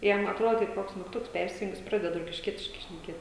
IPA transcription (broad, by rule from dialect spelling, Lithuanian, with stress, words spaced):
ˈjɛm ɐtˈroːt kɐɪp ˈkoːks mʲiːkˈtʊks ˈpʲɛrʲsʲɪjʊŋk ˈjɪs ˈprɑːdʲɛt roːkʲɪʃʲˈkʲiɛtʲɪʃkɐɪ ʃʲnʲɛˈkʲeːt